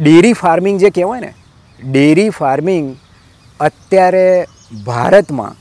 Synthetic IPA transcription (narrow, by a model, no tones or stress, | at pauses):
ɖeɾifaɾmiŋɡd͡ʒekɛʋajnḛ | ɖeɾifaɾmiŋɡ | ət̪jaɾe | bʱa̰ɾət̪mã̰